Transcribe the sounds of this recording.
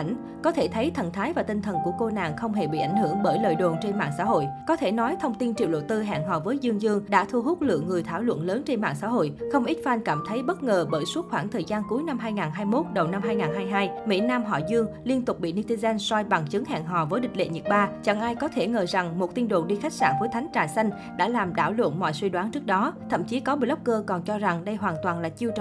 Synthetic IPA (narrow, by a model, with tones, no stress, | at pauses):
ŋ̟ | kɔ˨˦t̪ʰe˧˩t̪ʰə˨˦jt̪ʰə̰˨˩nt̪ʰaː˨˦jvaː˨˩t̪ï˧ŋ̟t̪ʰə˨˩nku˧˩əko˧na̰ː˨ŋxə˧wŋ͡mɦe˧˩ɓḭ˧˨ʔa˧˩jŋ̟hɨ˧˩əŋɓəː˧˩jlə̰ː˧˨jɗo˨˩nt͡ɕe˧nma̰ː˧˨ŋsa̰ː˧˥ɦo̰˧˨jkɔ˨˦t̪ʰe˧˩nɔ˨˦jt̪ʰə˧wŋ͡mt̪i˧nt͡ɕḭ˨˧˨əwɗo̰˧˨t̪ɨ˧ɦa̰ː˧˨ŋɦɔ̰˨˩vəː˨˦jzɨ˧əŋzɨ˧əŋɗa̰ː˧˥t̪ʰu˧əɦu˦˥t̚lɨ̰˧əŋːɨ˨˩əjt̪ʰaː˧˩wlwə̰˧˨nləː˨˦nt͡ɕe˧nma̰ː˧˨ŋsa̰ː˧˥ɦo̰˧˨jxə˧wŋ͡mʔi˦˥t̚faː˧nkaː˧˩mt̪ʰə˨˦jɓə˦˥t̚ŋəː˨˩ɓəː˧˩jsu˦˥ət̚xwaː˧˩ŋt̪ʰəː˨˩jzaː˧nku˨˦əjna˧mɦaː˧jŋaː˨˩nɦaː˧jmo˦˥t̚ɗə˨˩wna˧mɦaː˧jŋaː˨˩nɦaː˧jɦaː˧jmḭ˧˥naː˧mɦɔ̰˧˩zɨ˧əŋli˧ənt̪ʊ˨˩k͡p̚ɓḭ˧˨ni˧t̪i˧zɛ˧nsa˧jɓa˨˩ŋt͡ɕɨ˨˦ŋha̰ː˧˨ŋɦɔ̰˨˩vəː˨˦jɗï˨˩k̚lḛ˧˨ɲə˨˩t̚ɓaː˧˩t͡ɕa˧˩ŋʔaː˧jkɔ˨˦t̪ʰe˧˩ŋəː˨˩za˨˩ŋmo˨˩t̚t̪i˧ənɗo̰˧˨ɗi˧xa˦˥jk̚sa̰ː˧˨nvəː˨˦jt̪ʰŋ̟t͡ɕaː˨˩jsa˧jŋ̟ | ɗa̰ː˧˥laː˨˩mɗa̰ː˧˩wlwə̰˧˨nmɔ̰˧˨jswi˧ɗwaː˨˦nt͡ɕɨ˦˥k̚ɗɔ˨˦t̪ʰə̰˧˨mt͡ɕi˨˦kɔ˨˦ɓi˧˩lə˦˥p̚kəː˧kɔ˨˩nt͡ɕɔ˧za˨˩ŋɗə˧jɦwaː˨˩nt̪waː˨˩nlaː˨˩t͡ɕi˧əwt͡ɕ